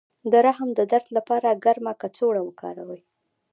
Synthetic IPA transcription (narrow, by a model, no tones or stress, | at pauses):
d̪əɾaɦəmd̪əd̪aɾt̪lapɑɾaɡaɾmakat͡soɽawəkɑ̰ɾawəj